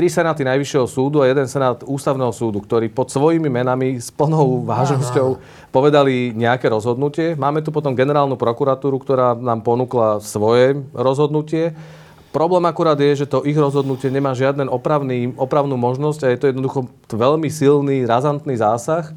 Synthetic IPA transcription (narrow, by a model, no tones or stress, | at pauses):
t̪ɾisɛnaːt̪inajʋiʃjɛɦɔsuːd̪uajɛd̪ɛnsɛnaːt̪uːst̪aʊnɛːɦɔsuːd̪ukt̪ɔɾiːpɔt̪sʋɔjimimɛnamispl̩nɔʊʋaːʒnɔscɔʊ | pɔʋɛd̪aliɲɛakɛːɾɔzɦɔd̪nucɪɛmaːmɛt̪upɔt̪ɔmɡɛnɛɾaːlnupɾɔkuɾat̪uːɾukt̪ɔɾaːnaːmpɔnuːklasʋɔjɛɾɔzɦɔd̪nucɪɛ | pɾɔblɛːmakuɾaːd̪jɛʒɛt̪ɔʔiɣɾɔzɦɔd̪nucɪɛɲɛmaːʒɪad̪nɛnʔɔpɾaʊniɔpɾaʊnuːmɔʒnɔscajɛt̪ɔjɛd̪nɔd̪uxɔ | ʋɛʎmisilniɾazant̪nizaːsax